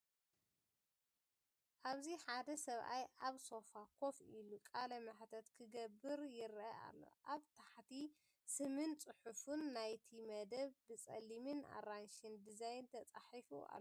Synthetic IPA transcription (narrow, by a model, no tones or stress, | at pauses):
ʔaβziħad̪ɐsɐβʔajʔaβso̞fakʰo̞filukʼalɐmɨħt̪ʰɐt̪kʰɨɡɐbɨɾjɪɾʔɐa̰lːo̞̰ʔaβt̪ʰaħt̪ʰi | sɨmɨnt͡sʼɨħufunːajt̪ʰimɐd̪ɐβbɨt͡sʼɐ̰limɨna̰ranʃind̪izajnt̪ʰɐt͡sʼaħifṵa̰lːo